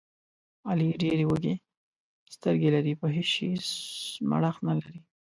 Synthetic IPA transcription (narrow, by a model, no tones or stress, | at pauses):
ɑliɖeɾewəɡe | st̪əɾɡelaɾipəɦeʃesma̰ɽaxnalaɾi